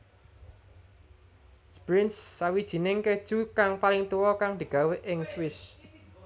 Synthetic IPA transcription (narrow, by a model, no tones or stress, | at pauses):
spɾɪnsːawid̥ʒ̥i̤nɪŋked̥ʒ̥ukaŋpalɪŋt̪uwɔkaŋd̪̥i̤ɡ̥a̤weʔɪŋswɪs